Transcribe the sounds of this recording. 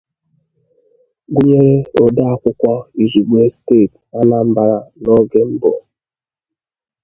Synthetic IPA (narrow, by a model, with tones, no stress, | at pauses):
ɡʷu˦ɲe˦ɾe˦o˨da˦a˦kʷʊ˦kʷa˦i˨zi˨ɡ͡bʷe˦steː˦˨t | a˦na˦m̩˦ba˦ɾa˦nɔ˦ɡe˦m̩˦bɔ̰˨